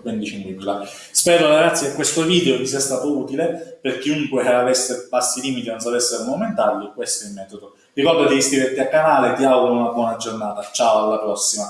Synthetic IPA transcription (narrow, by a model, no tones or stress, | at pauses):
bɛnd̪it͡ʃenɾibila | spɛːɾolaɡɾat̪sjekekːwest̪oviːd̪eot͡ʃisiast̪aːt̪ouːt̪ileperk̟iuŋkweaɾavɛst̪ebasːiliːmit̪inonsavɛsːeɾomoument̪arlikwest̪oɛlmːɛːt̪od̪o | rikɔrd̪oakeiskɾivet̪ːiakːanaːlet̪iaɡuɾonunabwɔːnad͡ʒornaːt̪at͡ʃaːoalːapɾɔsːima